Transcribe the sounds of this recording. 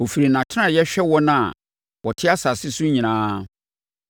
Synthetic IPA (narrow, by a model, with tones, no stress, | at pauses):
ɔ˨fi˨ɾi˨nã˨tʰɪ˦ã˦˨jɛ˦ɕᶣɛ˦wɔ˦nã˦˨ | wɔ˨tʰɪ˦a˦sa˨sɪ˦su˦ɲĩ˨ñãː˦